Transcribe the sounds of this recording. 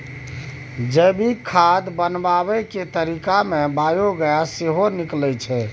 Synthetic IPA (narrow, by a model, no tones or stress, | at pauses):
d͡ʒəbʱikʰad̪bənbaβɛket̪əɾikamebajoɡəjaseɦoniklɛjt͡ʃʰɛ